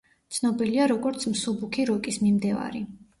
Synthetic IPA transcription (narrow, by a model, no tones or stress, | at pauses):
t̪sʰnɔbiliaɾɔɡɔɾt̪sʰmsubukʰiɾɔkʼismimd̪ɛva̰ɾi